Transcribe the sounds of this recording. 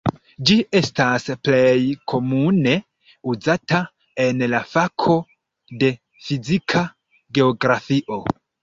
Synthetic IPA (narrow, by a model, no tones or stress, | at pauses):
d͡ʒie̞stasplejkʰo̞mune̞ | uzata | enlafakʰo̞ | de̞ | fizikʰa | ɡe̞oɡɾafiʔo̞